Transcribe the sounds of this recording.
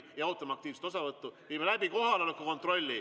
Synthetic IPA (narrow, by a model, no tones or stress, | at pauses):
jɑɑwt̪ːˑɑmɑk̚t̪iːvse̥t̪o̞sɑvɤt̪ːuviːmelæbiko̞ɦɑlolekːuko̞nt̪ro̞lʲːi